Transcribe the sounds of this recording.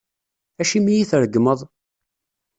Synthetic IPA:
æʃimijiθɾəɡːməðˤ

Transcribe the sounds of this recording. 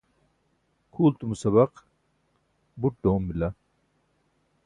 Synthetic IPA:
kʰuːlt̪umusɐβɐq | buʈ̚ɖoːmːilɐ

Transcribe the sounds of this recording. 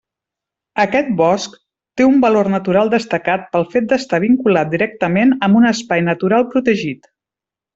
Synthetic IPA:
əkɛt̪̚bɔsk | t̪eumbəlornət̪uɾalˠd̪əst̪əkat̪̚pəlˠfet̪̚d̪əst̪aβ̞iŋkulat̪̚d̪iɾɛk̚t̪əmenəmbunəspajnət̪uɾalˠpɾut̪əʒit̪

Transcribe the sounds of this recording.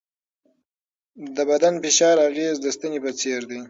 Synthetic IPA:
d̪əbad̪anfɪʃɑɾaɣezd̪əst̪ənipət͡seɾd̪i

